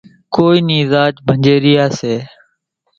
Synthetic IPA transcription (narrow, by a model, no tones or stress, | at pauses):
koːiːniːzaːt͡ʃbʱəɲd͡ʒeːɾɪjaːseː